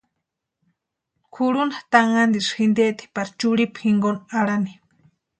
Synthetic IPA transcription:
kʰuɽunat̪aŋand̪iʂxind̪et̪e̥paɾt͡ʃuɽipxiŋɡonaɽani̥

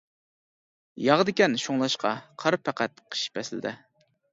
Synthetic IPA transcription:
jɑʁəd̪ɪkʲɛnʃoŋlˠɑʃqɑ̰qʰɑɾpʰæqæt̪̚qʰə̥ʃi̥pʰɛsɪl̰d̪ɪ̰

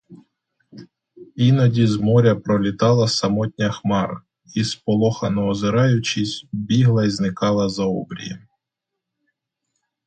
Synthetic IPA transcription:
inɐdʲizmɔɾʲɐpɾɔlʲit̪ɑlˠɐsɐmɔt̪ʲnʲɐxmɑr | ispɔlˠɔxɐnɔːzɪɾɑjʊt͡ʃisʲbʲiɦlˠɐiznɪkɑlˠɐzɐɔbɾʲḭjḭ

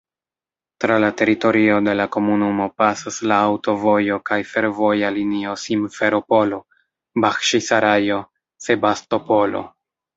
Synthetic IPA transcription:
tɾalate̞ɾito̞ɾio̞de̞lako̞munumo̞pasaslaːwto̞vo̞jo̞kajfe̞ɾvo̞jalinio̞simfe̞ɾo̞po̞lo̞ | baxʃisaɾajo̞ | se̞basto̞po̞lo̞̰

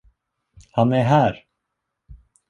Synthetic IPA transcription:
hanɛɾɦæɾ

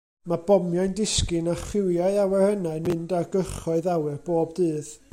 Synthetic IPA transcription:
mabɔmjaɨndɪskɨnaχɪwjaɨawɛrənaɨnmɨndarɡəχɔɨðawɨrboːbdɨːð

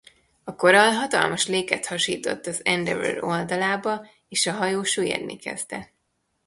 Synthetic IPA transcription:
ɒko̞ɾɒlɦɒt̪ɒ̰lmɒʃleːkɛt̪hɒʃiːt̪o̞̰t̪ːɒzɛnd̪ɛvø̰ɾo̞ld̪ɒlaːbɒ | eːʃɒɦɒjoːʃujɛ̰rnḭkɛ̰z̥t̪ɛ

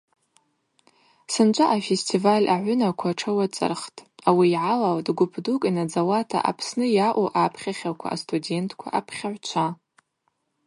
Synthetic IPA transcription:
sɨnt͡ʃʷʼaʔafestʰivalʲʔa̰ʕʷʊnakʷʰaʈ͡ʂʰawat͡sʼɨ̰rχtʼawiːʕalawtʼɡʷʊpʰdukʼinad͡zawatʰa̰ʔa̰pʰsnɨjaʔʷoʔapʰχʲaχʲakʷʰa̰ʔːstʰʼude̞ntʼʰkʷʰa̰ʔapʰχʲaʕʷt͡ʃʷʰa

